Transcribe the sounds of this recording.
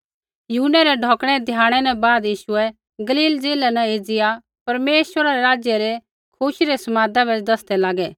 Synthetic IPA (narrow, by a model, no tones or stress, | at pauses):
junːɛɾɛɖʱɔːkɽ̃ɛd̪ʱjãːɽ̃ɛnɛ̃baːd̪jiːʃʊɛ | ɡɐliːld͡zeːlɛnɛ̃eːd͡zɪja | pɐɾmeːʃəɾaɾɛɾaːd͡ʒjəɾɛ | kʰʊʃɾɛsɐmaːd̪abɛd̪ɐsd̪ɛlaːɡɛː